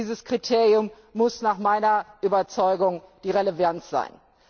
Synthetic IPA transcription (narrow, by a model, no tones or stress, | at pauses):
iːzəskʁ̥itʰeːʁjʊmː | ʊsnaːχmaɪnɐʔyːbɐt͡sɔʏɡʊŋd̥iːʁeləvant͡sz̥a̰ɪn